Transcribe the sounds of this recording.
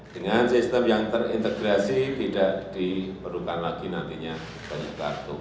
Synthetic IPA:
d̥əŋansist̪əmjaŋt̪ərḭnt̪əɡɾasit̪idaʔd̥ipərlukanlaɡ̥inant̪iɲa | b̥aɲaka̰rt̪u

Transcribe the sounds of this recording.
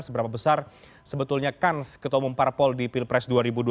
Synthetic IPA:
səbəɾapabəsar | səbət̪ulɲakanskət̪ɔmumparpɔldipilpɾɛsduaɾibudu

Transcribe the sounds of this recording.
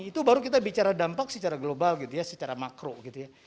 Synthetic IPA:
it̪ubaɾukit̪abit͡ʃaɾadampak̚sət͡ʃaɾaɡlobalɡit̪ujasət͡ʃaɾamakɾoɡit̪uja

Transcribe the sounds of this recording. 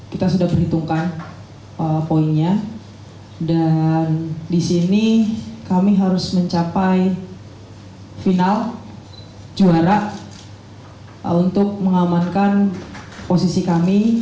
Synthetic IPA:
kit̪asudahbərhit̪uŋkan | əpoiŋɲa | dandisinikamiɦaɾʊsməɲt͡ʃapaj | final | d͡ʒuaɾaʔ | unt̪ʊk̚məŋamankanposisikami

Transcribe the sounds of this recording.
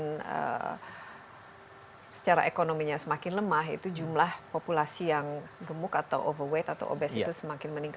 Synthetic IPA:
nə̰ | sə̥t͡ʃaɾa̰ʔekonomiɲasəmakɪnləmaɦḭt̪ud͡ʒumlahpopulasijaŋɡəmʊkat̪a̰wʔo̰vərwɛt̪at̪a̰wʔo̰bɛsitusəmakɪnməniŋk

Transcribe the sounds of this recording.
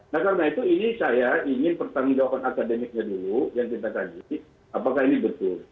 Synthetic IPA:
nahkarnait̪uinisajaʔiŋɪnpərt̪aŋd͡ʒawapanakademɪk̚ɲadulujaŋt̪it̪akad͡ʒi | apakahinibət̪ʊl

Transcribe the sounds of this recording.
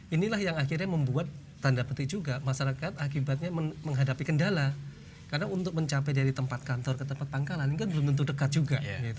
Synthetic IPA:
inilahjaŋaxirɲaməmbuat̪ː | andapət̪ɪk̚d͡ʒuɡamaʃaɾakat̪akibat̪̚ɲaməməŋɦadapikəndala | karnaunt̪ʊk̚məɲt͡ʃapɛdaɾit̪əmpat̪̚kant̪ɔrkət̪əmpat̪̚paŋkalanikanbəlʊmt̪ənt̪udəkat̪̚d͡ʒuɡaɡit̪u

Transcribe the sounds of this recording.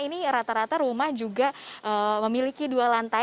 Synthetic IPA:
iniɾat̪aɾat̪arumahd͡ʒuɡaəməmilikidualant̪a

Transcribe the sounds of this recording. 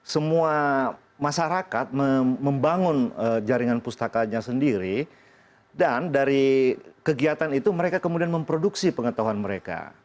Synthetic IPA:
səmua | maʃaɾakat̪̚məməmbaŋʊnəd͡ʒaɾiŋanpust̪akaɲasəndiɾi | dandaɾikəɡiat̪anit̪uməɾekakəmudianməmpɾoduksipəŋət̪aɦuanməɾeka̰

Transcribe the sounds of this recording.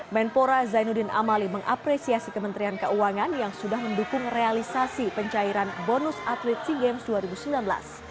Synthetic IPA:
mɛnpoɾazajnudina̰maliməŋʔa̰pɾesiasikəmənt̪ɾiankəuaŋanjaŋsudahməndukʊŋrealisasipəɲt͡ʃaiɾanbonʊsat̪lit̪̚siɡɛmsduaɾibusəmbilanbla̰s

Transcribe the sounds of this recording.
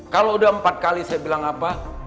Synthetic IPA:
kaloudaəmpat̪̚kalisajabilaŋapa

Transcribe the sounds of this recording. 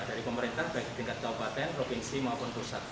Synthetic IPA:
d̥aɾipəməɾint̪ahb̥aɪk̚d̥əŋkat̪̚kaupat̪ɛnpɾofinsimaupʊnpusat̪̚

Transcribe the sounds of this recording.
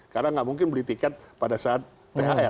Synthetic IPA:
kaɾnaŋɡaʔmuŋkɪnbəlit̪ikat̪̚padasaat̪̚ːeaɛ

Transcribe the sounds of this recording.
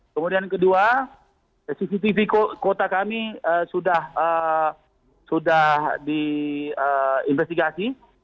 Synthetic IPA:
kəmudiankədua | sisit̪ifikokot̪akamiəsudahə | sudahdiəinfɛst̪iɡasi

